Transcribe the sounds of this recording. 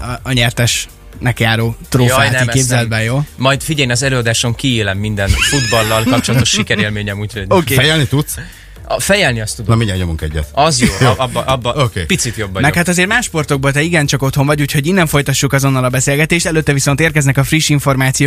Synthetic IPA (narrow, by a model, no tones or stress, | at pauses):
ɒɲɛrt̪ɛʃ | nɛkjaːɾoːt̪roːfanɛimkeːbzɛɛd̪bɛnjoːmɒjd̪fiɟɛjnɒzɛløːɒd̪aːʃo̞ŋkiilɛmːind̪ɛnfud̪bɒlːɒlkɒp̚t͡ʃolɒt̪o̞ʃʃikɛɾeːlmeːɲɛmuːcʰhoɟoːkeːɛjɛlnit̪ut̪s | fɛjɛlniɒst̪ud̪miɲaɡɲomuŋkɛɟːɛ̰t̪ɒzjoːobːʔɒbːokepit̪sit̪jo̞bːɒmɛkhat̪ɒzeːɾmaːʃːpo̞rt̪o̞ɡ̚bolt̪ɛiɡɛnt͡ʃɒko̞t̪ho̞ɱvɒɟuːchoɟinːɛɱfo̞jt̪ɒʃːukɒzo̞nːɒlɒbɛseːlɡɛt̪eːʃt̪ɛløːt̪ːɛviso̞nt̪eːrkɛznɛkɒfriʃːiɱfo̞rmaːt̪sijo